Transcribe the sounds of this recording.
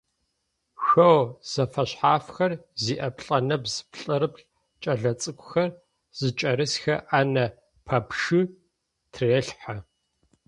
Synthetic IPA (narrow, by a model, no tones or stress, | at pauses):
xɐwz̥ɐfɐɕħaːfxɐrziːʔɐpʰɬʼɐnɐbzɨ̥pɬʼɨɾɨpɬ | t͡ʃʼɐɮɐt͡sʼɨkʷʰʼʊ̥xɐr | z̥ɨt͡ʃʼɐɾɨsxɐʔanɐ | pʰɐpʂɨ | tʰreːɬħa